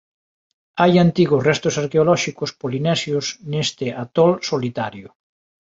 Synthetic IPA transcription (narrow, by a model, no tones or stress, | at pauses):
ajant̪iɣʊsrɛst̪ʊsaɾkeolɔʃikʊspolinɛsjosnest̪ɪat̪ɔlsolit̪aɾjʊ